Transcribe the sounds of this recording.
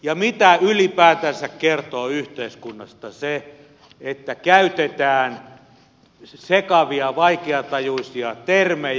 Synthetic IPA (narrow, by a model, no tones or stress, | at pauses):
jɑmit̪æylipæːt̪æsækkert̪oːyht̪eiskunːɑst̪ɑse | et̪ːækæyt̪et̪æːn | sekɑʋiɑʋɑikeɑt̪ɑjuisiɑt̪ermej